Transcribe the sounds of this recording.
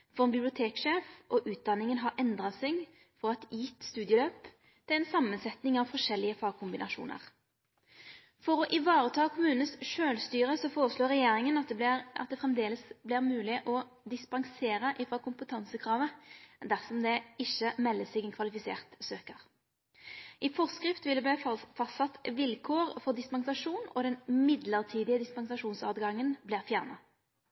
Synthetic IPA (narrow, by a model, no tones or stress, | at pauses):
fɔʁbɪblɪʊt̪ʰeːkʂeːfʔɔʔʉːt̪̚d̪ɑnːɪŋənɦɑɾʔɛnd̪ʁɑsɛɡ | fɔʁɑt̪jɪt̪ːst̪ʉːd̪jəløːp | t̪ʰɪlɛɪnsɑmːənsɛt̪nɪŋɑʋfɔʂɛlːɪəfɑːɡ̚kʰʊmbɪnɑʃṵːnə̰ʁ | fɔɾɔʔɪʋɑːɾət̪ʰɑːkʰʊmʉːnsʃøːlst̪yːɾəsɔfoːɾəsloːɾɛjeːɾɪŋənɑ̰t̪̚d̪ɛfʁɛmd̪eːləsblɪʁmʉːlɪʔɔ | d̪ɪspɑŋseːʁəʔɪfʁɑːkʊmpət̪ʰɑnsəkʰʁɑːʋəd̪æʁsɔmd̪ɛɪçəmɛlːəsɪɡɛnkʰʋɑlɪfɪsḛːʁt̪søːkəʁ | ʔɪfɔʁskʁɪft̪ʋɪld̪ɛblæfɑst̪ɑt̪ʋɪlkʰoːʁfɔʁd̪ɪspɑŋsɑʂuːnɔ̰d̪ɛnmɪd̪ləʁt̪ʰiːd̪ɪəd̪ɪspɑŋsɑʂuːnsɑːt̪ɡɑŋːənblɪːʁfjæʁnɑ